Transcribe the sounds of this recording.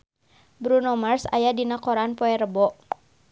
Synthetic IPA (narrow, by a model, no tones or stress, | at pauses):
bɾunɔmərsa̰jadinakɔɾanpɔɛɾəbɔʔ